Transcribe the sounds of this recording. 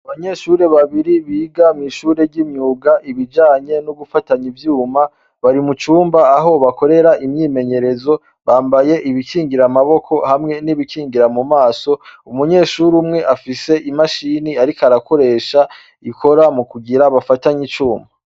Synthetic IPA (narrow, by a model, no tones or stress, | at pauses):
aβaɲe̞ʃuɾe̞βaβiɾiβiːɡamŋiːʃuːɾe̞ɾɟimɲuːɡaʔiβid͡ʒaːɲe̞nuɡufataɲivjuːma | βaɾimut͡ʃuːmbaːɦo̞βako̞ɾe̞ɾaimɲiːme̞ɲe̞ɾe̞zo̞ | βaːmbaje̞ʔiβikiːŋɡiɾamaβo̞kʰo̞hamŋe̞niβikiːŋɡiɾamumaːso̞umuɲe̞ʃuɾumŋe̞ʔafise̞ʔimaʃiniaɾikaɾako̞ɾe̞ːʃa | ikʰo̞ɾamukuɡiɾaβafataɲit͡ʃuːmba